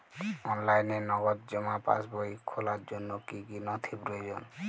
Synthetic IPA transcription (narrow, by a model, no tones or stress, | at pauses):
ɔnlajnenɔɡɔt̪̚d͡ʒɔmapa̰sbɔikʰolaɾd͡ʒonːɔkikinɔt̪ʰibɾojd͡ʒɔn